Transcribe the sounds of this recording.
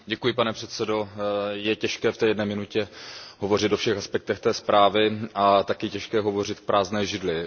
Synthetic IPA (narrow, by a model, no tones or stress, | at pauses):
ɟɛkujɪpanɛpr̝̥ɛt̪sɛdo̞jɛcɛʃkɛːft̪ɛːjɛdnɛːmɪnucɛɦovo̞rɪt̪o̞fʃɛxaspɛk̚t̪ɛxt̪ɛːspɾʔaːvɪʔat̪akɪcɛʃkɛːɦovo̞rɪt̪k̚pɾʔaːznɛːʒɪdlɪ